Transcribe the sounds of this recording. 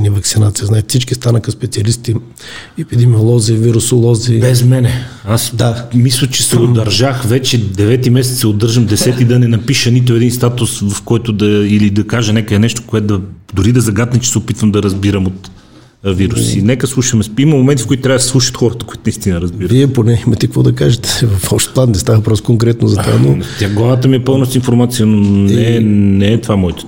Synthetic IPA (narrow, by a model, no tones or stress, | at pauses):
nivəksinat̪sijəznat͡ʃit̪sit͡ʃkist̪anəxəspɛt̪siɐlist̪i | ɛpid̪ɛmiolˠɔziviɾusolˠɔzibɛzmɛnɛasd̪amislʲət͡ʃɛ̥sɛod̪ɐɾʒaxvɛt͡ʃɛd̪ɛvɛt̪imɛsɛt̪sɛod̪ɤɾʒəmd̪ɛsɛt̪id̪ɐnɛnɐpiʃənit̪̬oɛd̪inst̪at̪ʊsvɐfkɔjt̪ʊd̪ɐilid̪ɐkaʒənɛkəɛnɛʃt̪o̥koɛt̪d̪ɐd̪ʊɾid̪ɐzɐɡat̪nɐmt͡ʃɛ̥sɛopit̪vəmd̪ɐɾɐzbiɾəmot̪ | viɾusinɛkəslˠuʃvɐmɛimɐmomɛnt̪ifkoit̪t̪ɾʲavəd̪sʲsˠuʃə̥t̪xɔɾət̪ə̥koʊit̪ʊnist̪inəɾɐzbiɾviɛponɛimɐt̪ɛkəkvɔd̪ɐkaʒɛt̪ɛ̥vɐfɔpʃt̪p̪ˠanɛst̪avəpɾɔskoŋkɾɛt̪nozɐt̪a̰not̪ʲaɡlˠavət̪əmiɛpɤlˠnosinfoɾmat̪sijənonɛnɛːt̪vamɔjt̪o̥